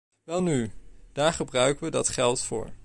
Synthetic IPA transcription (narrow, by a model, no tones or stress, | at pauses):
ʋɛlˠnyd̥aːɹχəbrœɥkəʋədɑtχɛlˠtfʊ̰ːɹ